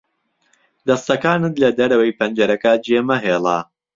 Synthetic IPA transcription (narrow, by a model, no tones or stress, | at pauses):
d̪ɐst̪ɐkaːnɨt̪lɐd̪ɐɾɐwɐjpʰɐnd͡ʒɐɾɐkɐd͡ʒeːmɐɦeːlˠa̰